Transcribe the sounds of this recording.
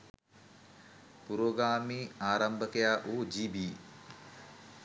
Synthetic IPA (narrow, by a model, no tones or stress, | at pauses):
puɾoːɡaːmiːaːɾambəkəjaːʔuːd͡ʒiːbiː